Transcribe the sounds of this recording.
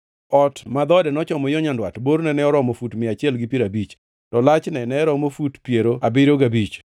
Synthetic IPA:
ɔtmad̪ɔdɛnɔt͡ʃɔmɔjɔɲandwatboɾnɛnɛɔɾɔmofutmɪat͡ʃjɛlɡɪpiɾabit͡ʃ | tɔlat͡ʃnɛnɛɾɔmofutpjeɾoabɪɾoɡabit͡ʃ

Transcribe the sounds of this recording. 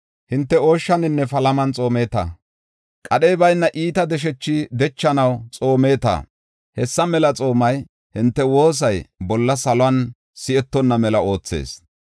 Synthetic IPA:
hɪnt̪ːɛoːʃːɐnɪnːɛfɐlɐmɐnt͡sʼo̞ːme̞ːt̪a̰ː | kʼɐɗɛjbɐjnːɐʔiːt̪ɐd̪ɛʃ̬ɛt͡ʃːɪd̪ɛt͡ʃːɐnɐwt͡sʼo̞ːme̞ːt̪a̰ː | hɛsːɐmɛlɐt͡sʼo̞ːmɐj | hɪnt̪ːɛwo̞ːs̬ɐjbɔlːɐsɐlʊɐn | sɪɛt̪ːɔnːɐmɛlɐo̞ːt͡sːḛːs

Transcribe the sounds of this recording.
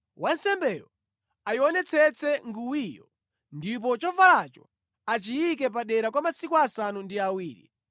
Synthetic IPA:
wʔansɛmbɛjɔ | ajiɔnɛt͡sʰɛt͡sʰɛŋɡuwiːjɔ̰ | ndip̬ɔt͡ʃɔvalat͡ʃɔ | at͡ʃijik̬ɛpaɗɛɾakwamasikuasanundiawiːɾḭ

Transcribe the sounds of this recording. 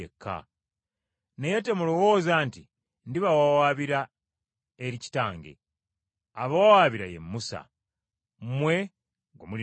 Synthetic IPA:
ḛkʰːa̰ | nejete̞mulo̞wo̞ːzaːnti | ndiβawawaβiɾa | e̞ɾici̥taːŋɡe̞̰ | aβawawaβiɾaje̞̰mːusa̰ | mwe̞ | ŋɡomuli

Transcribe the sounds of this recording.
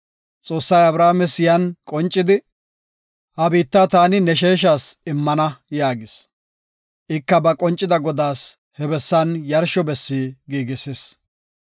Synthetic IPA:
t͡sʼo̞ːsːɐjɐbɾaːmɛsɪjɐnkʼɔnt͡ʃʼːɪd̪ɪ | hɐbiːt̪ːaːt̪aːnɪnɛʃeːʃ̬aːsɪmːɐnɐjaːɡɪs | ʔɪkːɐbɐkʼɔnt͡ʃʼːɪd̪ɐɡɔd̪aːs | hɛbɛsːɐnjɐɾʃɔbɛsːiːɡiːɡɪses

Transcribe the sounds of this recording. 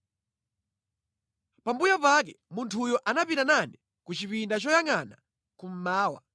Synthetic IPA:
pambujapakɛmuntʰujɔʔanapitananɛ | kut͡ʃipindat͡ʃɔjaŋana | kum̩maːwa̰

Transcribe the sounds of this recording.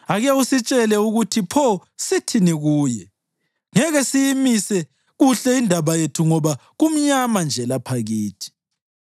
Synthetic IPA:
aɣɛusit͡ʃʼɛlɛuɣutʰipʰɔsitʰiniɣuːjɛ | ŋɛɣɛsijimisɛ | ɣuɬɛindʱaβajetʰuŋɔβaɣum̩ɲamand͡ʒʱɛlapʰaɣiːtʰi̥

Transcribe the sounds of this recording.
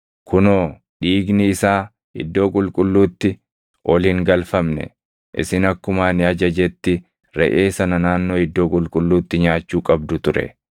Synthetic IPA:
kʊnoː | ᶑiːɡnɪɪsaː | ɪ̰d̪ːo̞ːkʼʊlkʼʊlːuːt̪ːɪ | ʔɔliːŋɡɐlfɐmnɛ̰ | ʔɪ̰sɪnɐkːʊmaːnɪɐd͡ʒɐd͡ʒɛt̪ːɪ | ɾɛ̰ʔeːsɐnɐnaːnːo̞ːɪd̪ːo̞ːkʼʊlkʼʊlːuːt̪ːɪɲaːt͡ʃːuːkʼɐb̚d̪ʊt̪ʊɾɛ̰

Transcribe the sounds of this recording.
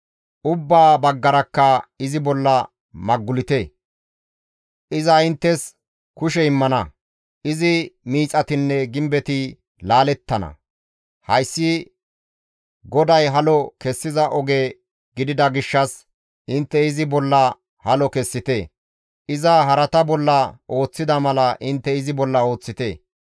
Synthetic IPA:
ʔʊbːaːbɐɡːɐɾɐkːɐɪzɪbɔlːɐ | mɐɡːʊlɪt̪e | ʔɪzɐɪnt̪ːɛs | kʊʃɛɪmːɐnɐ̰ | ɪzɪmiːt͡sʼɐt̪ɪnːɛɡɪmbɛt̪ɪ | laːlɛt̪ːɐnɐ̰ | hɐjsːɪ | ɡɔd̪ɐjɦɐlɔkɛsːɪzɐʔɔɡeː | ɡɪd̪ɪd̪ɐɡɪʃːɐs | ʔɪnt̪ːɛɪzɪbɔlːɐ | hɐlɔkɛsːɪt̪e | ɪzɐɦɐɾɐt̪ɐbɔlːɐʔo̞ːt͡sːɪd̪ɐmɐlɐʔɪnt̪ːɛɪzɪbɔlːɐo̞ːt͡sːɪt̪e

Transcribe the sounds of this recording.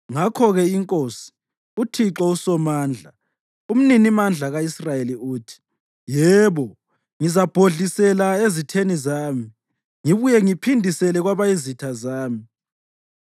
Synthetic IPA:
ŋakʰɔɣɛiŋkʼoːsi̥ | utʰiǁausɔmaːnd͡ɮʱa | um̩ninimand͡ɮʱaɣaisrajeliuːtʰi̥ | jɛːβɔ | ŋizab̥ʱoɮisɛlaezitʰenizaːmi | ŋiβujɛŋipʰindʱisɛlɛɣwaβaizitʰazaːmi

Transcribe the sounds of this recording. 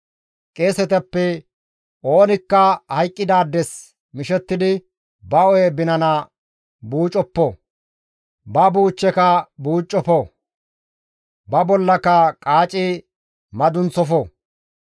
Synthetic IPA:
kʼeːsɛt̪ɛpːɛ | o̞ːnɪkːɐhɐjkʼːɪd̪aːd̪ːɛs | mɪʃɛt̪ːɪd̪ɪ | bɐʔɔjɛbɪnɐnɐ | buːt͡ʃʼɔpːɔ | bɐbuːt͡ʃːɛkɐbuːt͡ʃʼːɔfɔ | bɐbɔlːɐkɐkʼaːt͡ʃʼɪ | mɐd̪ʊnt͡sːɔfɔ

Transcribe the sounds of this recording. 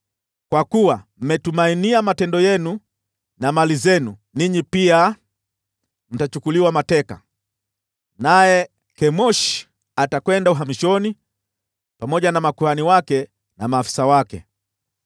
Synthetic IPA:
kwakuwam̩mɛtumainiamatɛndɔjɛnu | namalizɛnuniɲipia | m̩tat͡ʃukuliwamatɛka̰ | najɛ | kɛmɔʃ | atakwɛndauɦamiʃɔni | pamɔʄanamakuhaniwakɛ | namaːfi̥sawakɛ̰

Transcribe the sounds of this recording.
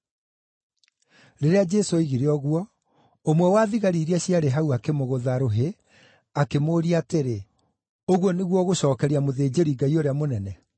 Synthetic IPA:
ɾeɾead͡ʒɛsoiɣiɾeɔɣwɔ | omwɛwaːðiɣaɾiɾaɕiaɾeɦauakemoɣoðaɾoɦe | akemoɾiateɾe | oɣwɔneɣwɔɣoɕɔːkɛɾiamoðeːd͡ʑeɾiɡaioɾeamonɛnɛ

